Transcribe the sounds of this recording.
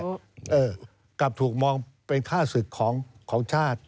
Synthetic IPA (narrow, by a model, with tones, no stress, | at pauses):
ʔɤː˧˩ | ka˨˩p̚t̪ʰuː˨˩k̚mɔː˧ŋpe˧nkʰaː˥˩sɯ˨˩kʰːɔː˩˦ŋkʰɔː˩˦ŋt͡ɕʰaː˥˩t̪̚